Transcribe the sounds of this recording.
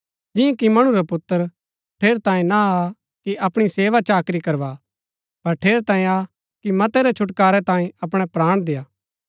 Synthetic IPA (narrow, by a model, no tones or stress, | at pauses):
d͡ʒɪ̃ẽkimɐɽ̃ũɾapʊt̪ːəɾ | ʈʰeːɾt̪ãːẽnaa | kiʔɐpɽ̃iseːʋat͡ʃaːkɾikɐɾʋa | pɐɾʈʰeːɾt̪ãːẽa | kimɐt̪ɛɾɛt͡ʃʰʊʈkaːɾɛt̪ãːiẽɐpɽ̃ɛpɾaːɽ̃d̪eːaː